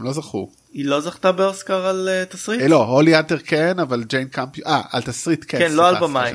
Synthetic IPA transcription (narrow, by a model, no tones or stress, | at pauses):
mlo̞zaχṵ | ilo̞zaχt̪abeoskaʁalet̪asʁilo̞oliateʁkenavald͡ʒejnkampjʔaa̰ltasʁitkekenloalbamaḭ